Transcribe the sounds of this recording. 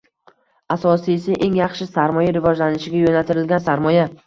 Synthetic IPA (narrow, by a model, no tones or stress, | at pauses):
asɒsijsɪʔe̞ŋjɑχʃɪsaɾmɒjaɾɪvɒd͡ʒlanɪʃɪɡʲajonalt̪ʰɪɾɪlɡʲansaɾmɒja